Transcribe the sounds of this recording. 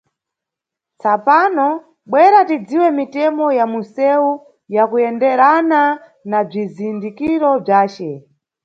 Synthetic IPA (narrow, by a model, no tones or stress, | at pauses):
t͡sapanɔ | ɓwɛɾatid͡ziwɛmitɛmɔjamusɛu | jakuɛndɛɾana | nab͡ʐizindikiɾɔb͡ʐaːt͡ʃɛ